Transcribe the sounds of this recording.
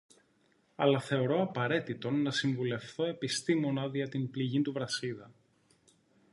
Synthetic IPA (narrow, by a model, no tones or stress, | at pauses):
ɐ̰lɐθe̞o̞ɾo̞ɐpɐɾe̞t̪it̪o̞ːɐsiɱvule̞fθo̞e̞pist̪imo̞nɐðiɐt̪inpliʝint̪uvɾɐsiðɐ